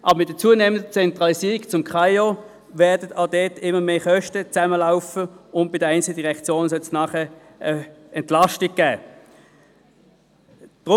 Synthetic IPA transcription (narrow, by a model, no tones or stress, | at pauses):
ʔɑ̰bəmɪt̚d̥ət͡suːneːməndət͡sɛntʁɑlisiːʁikt͡sʊmkʰʁaɪo | vɛɐdətɑdɛtɪmːəmeːχœʃtət͡sæməlaʊfəʊnt̚b̥ɪdəaɪnt͡silədiʁɛkt͡sjoːnsɔlsnɑːχə | ə | ɛntlɑʃtiɡ̚ɡ̥æː | d̥ʁ